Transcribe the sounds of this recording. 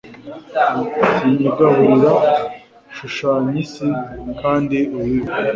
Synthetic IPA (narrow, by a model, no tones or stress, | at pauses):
iɲuɡahuɾiɾa | ʃuʃaːɲisikaːndiuwiβu